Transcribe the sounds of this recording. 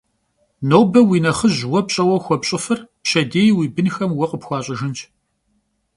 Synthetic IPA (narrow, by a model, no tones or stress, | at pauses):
noːwbɐwiːnɐχəʑwɔpɕʼɐwɐxʷɔpɕʼɪfɨrpɕɐdeːjwiːbɨnxɐmwɐqʼəpxʷɑːɕʼɪʒɨnt͡ʃʰ